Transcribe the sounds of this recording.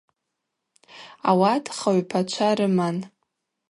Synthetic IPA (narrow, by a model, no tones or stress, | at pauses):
a̰watʰʼχaɥpʰat͡ʃʷʰaɾɨman